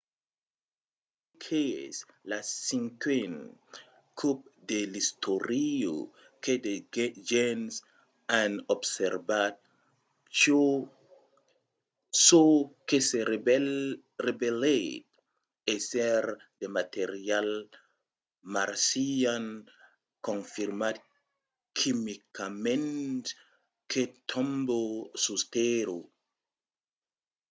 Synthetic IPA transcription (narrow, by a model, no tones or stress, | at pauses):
d | ekʰeslassĩŋkʰen | kʰup̚delistʰoɾio̰ | kʰedeɡd͡ʒɛns | ãnɔbsɛɹbat̚ | ʃo | sokese | rebelet̚ | esɛɾ | demateɾial | maɾsian | kɔ̃nfiɾmat | kʰimikamɛ̃nt | kʰetʰɔ̃mbosusteɾo